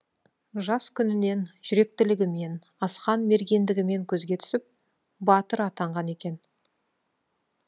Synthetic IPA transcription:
ʒɑskʲʰʏnɪne̞nʒ̥ʏɾe̞k̚t̪ɪlɪɡʲɪme̞n | ɑsqɑnme̞ɾɡʲe̞nd̪ɪɡʲɪme̞ŋkʲʰɵzɡʲe̞t̪ʰʏ̥sɪp̚ | bɑt̪əɾɑt̪ɑɴʁɑne̞kʲe̞n

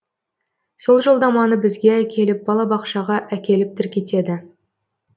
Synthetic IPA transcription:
so̞lˠʒo̞lˠd̪ɑmɑnəbɪzɡʲe̞ækʲʰe̞lɪp̚bɑlˠɑbɑqʃɑʁɑʔækʲe̞lɪp̚t̪ʰɪɾkʲe̞t̪e̞d̪ɪ

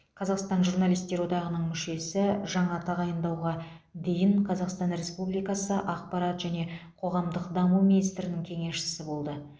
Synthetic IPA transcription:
qʰɑzɑqst̪ɑnʒuɾnalijst̪e̞wo̞d̪ɑʁənəɴmʏʃe̞sɪʒɑɴɑt̪ʰɑʁɑjənd̪ɑwʁɑd̪e̞jɪɴqʰɑzɑqst̪ɑnɾe̞spublijkɑsəʔɑqpɑɾɑt̪ʒæne̞qʰo̞ʁɑmd̪əqd̪ɑmuwminijst̪ɾɪnɪŋkʲʰe̞ŋe̞ʃɪ̥sɪbo̞lˠd̪ə

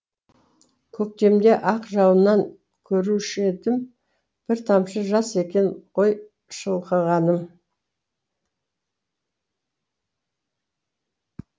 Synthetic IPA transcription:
kʲʰɵk̚t̪e̞md̪e̞ʔɑqʒɑwənːɑŋ | kʲʰɵɾuʃed̪ɪm | b̥ɪɾt̪ʰɑmʃəʒɑse̞kʲe̞nqʰo̞j | ʃəlˠqəʁɑnəm

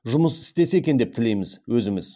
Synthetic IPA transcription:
ʒʊməsɪ̥st̪e̞se̞kʲe̞nd̪e̞p̚t̪ʰɪle̞jmɪzwɵzɪmɪz

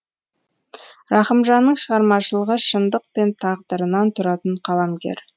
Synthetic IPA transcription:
ɾɑχəmʒɑnːəɴʃəʁɑɾmɑʃəlˠəʁəʃənd̪əq̚pe̞nt̪ʰɑʁd̪əɾənɑnt̪ʰʊɾɑt̪əɴqʰɑlˠɑmɡʲe̞̰ɾ

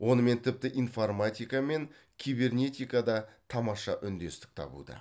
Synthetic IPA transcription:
wʔo̞nəme̞nt̪ʰɪp̚t̪ɪʔijnformat̪ʲijkɑme̞ŋ | kʲʰijbe̞rnʲe̞t̪ijkad̪ɑt̪ʰɑmɑʃɑʔʏnd̪e̞st̪ɪ̥k̚t̪ʰɑ̰bṵd̪ə̰

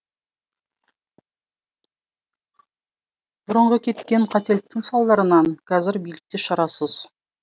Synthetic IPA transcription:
b̥ʊɾəɴʁəkʲʰe̞t̪kʲe̞ɴqʰɑt̪e̞lɪk̚t̪ɪŋsɑlˠd̪ɑɾənɑŋkʲʰɑzɪɾbijlɪk̚t̪eʃɑɾɑsəz̥

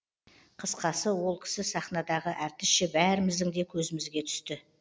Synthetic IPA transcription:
qʰəsqɑsəwo̞lˠkʲʰɪ̥sɪsɑχnɑd̪ɑʁəʔæɾt̪ɪsʃɪbæɾɪmɪzd̪ɪŋd̪e̞kʲʰɵzɪmɪzɡʲe̞t̪ʰʏ̥st̪ɪ

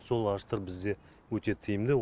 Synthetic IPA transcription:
so̞lˠɑʃt̪əɾbɪzd̪e̞ | wɵt̪e̞t̪ʰijɪmd̪ɪ

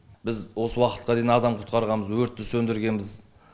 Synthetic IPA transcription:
bɪzwo̞səwɑqə̥t̪̚qɑd̪e̞jinɑd̪ɑmqʰʊ̥t̪̚qɑɾʁɑnməzwɵɾt̪ːɪsɵnd̪ɪɾɡʲe̞nbɪz

